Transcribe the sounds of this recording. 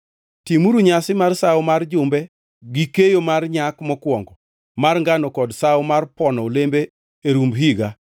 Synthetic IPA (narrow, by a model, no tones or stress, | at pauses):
timuɾuɲasɪmarsawʊmard͡ʒʊmbɛ | ɡikejomarɲakmɔkwɔŋɡɔ | marŋɡanɔkɔdsaʊmarpɔnɔlembeː | ɾumbɦiɡa